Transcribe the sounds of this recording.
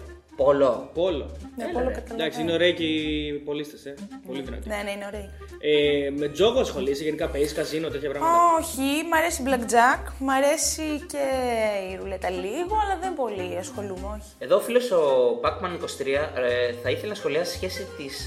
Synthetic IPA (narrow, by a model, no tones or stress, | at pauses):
polopo̞lo̰npolokɐt̪ɐd̪ɐksiineo̞ɾe̞icipo̞list̪esepo̞liðinɐ̰t̪ineneineo̞ɾe̞i | eme̞d͡zo̞ɣoɐsxo̞liseʝenikɐpezikɐzinot̪et̪çɐvɾɐmoçimɐɾe̞siblɐkd͡zɐkmɐɾe̞sice̞iɾulet̪ɐliɣo̞ɐlɐðe̞mbo̞liɐsxo̞lumeo̞çi̥eðoːfilosobɐkmɐniko̞st̪ɾiɐθɐiθelenɐsxo̞liɐsisi̥sçe̞sit̪is